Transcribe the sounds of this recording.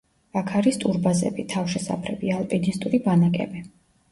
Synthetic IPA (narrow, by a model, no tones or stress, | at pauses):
akʰaɾist̪ʼuɾbazɛ̰bit̪ʰafʃɛsa̰pʰɾɛbialˠpʼinist̪ʼuɾibanakʼɛ̰bi